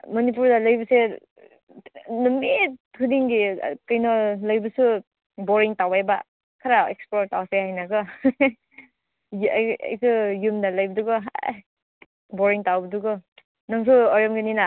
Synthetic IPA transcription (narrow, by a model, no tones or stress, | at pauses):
mɔnip̬uɾdalɐjbɐse | numeudiŋɡikajnɔlɐjbɯsu | bɔɾiŋtawajba̰ | kʰaɾaḛksplɔɾtawsehajnaɡɯ | ja̰jsɯjumdalajbɐduɡɔɦa̰ | bɔɾiŋtawbɐduɡɔ | naŋs̬uɔɾjɔmɡinina